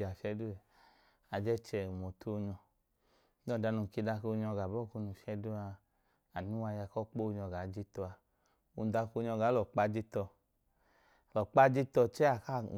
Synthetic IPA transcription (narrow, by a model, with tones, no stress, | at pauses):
a˨fɛ˧˦du˦ɛ˨ | a˨d͡ʒɛ˦t͡ʃɛ˧u˨mo˨tʰo˦˧ɲɔ˧˦ | dɔ˦˨da˨˧nu˧˨ki˧da˧ko˧ɲɔ˧˨ɡa˨bɔ˦˨ku˧nu˧˨ʃɛ˧˦du˦a˧ | a˨nu˦wa˧ja˧˨kɔ˦k͡po˦˧˨ɲɔ˧˨ɡa˨˦d͡ʒi˦tɔ˧a˧ | ṵ˧˨da˧ko˧ɲɔ˧ɡa˨˦lɔ˨k͡pa˧˦d͡ʒi˦tɔ˧˨ | lɔ˨k͡pa˦d͡ʒi˦tɔ˧t͡ʃɛ˦a˨ka̰˦˨